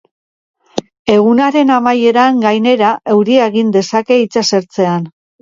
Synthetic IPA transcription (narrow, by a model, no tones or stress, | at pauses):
e̞ɣ̞unaɾe̞namaje̞ɾaŋɡajne̞ɾaʔe̞wɾieɣind̪e̞sake̞it͡sase̞ɾt͡se̞an